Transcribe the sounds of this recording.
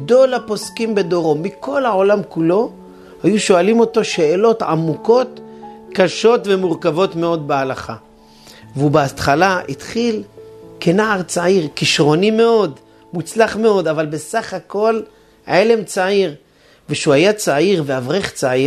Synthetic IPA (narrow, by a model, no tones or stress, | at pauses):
d̪o̞lapo̞skimbe̞d̪o̞ʁo̞miko̞lao̞lamkulo̞ | hajuʃo̞alimo̞to̞ʃe̞ːlo̞t̪ʕamuko̞t̪kaʃo̞tve̞muʁkavo̞t̪me̞o̞d̪̚bealaχa | veubeat̪χalaʔit̪χilkenaaʁt͡saiʁkiʃʁo̞nime̞o̞d̪ | mut͡slaχme̞o̞d̪avalbesaχako̞l | aʕele̞mt͡saiʁ | veʃuhajat͡saiʁveavʁeχt͡sai